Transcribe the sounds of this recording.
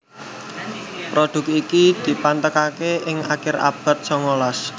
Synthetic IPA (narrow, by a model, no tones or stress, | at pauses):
pɾoɖ̪̥ʊ̤k̚ikid̪̥i̤pant̪əkakeʔɪŋakɪɾa̰b̥a̤t̪̚sɔŋolɔs